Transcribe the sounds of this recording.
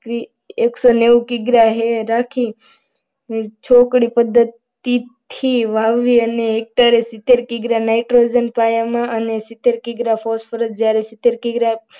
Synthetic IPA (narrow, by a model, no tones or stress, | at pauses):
i | eksoneʋkiɡɾaɦeɾakʰi | t͡ʃʰokɽipəd̪ʱːət̪ː | it̪ʰiʋaʋːiəneːk̚ʈaɾesit̪ːeɾkiɡɾanajʈɾod͡ʒənpajamãʔənesit̪ːeɾkiɡɾafʰospʰəɾət̪̚d͡ʒjaɾesit̪ːeɾkiɡɾa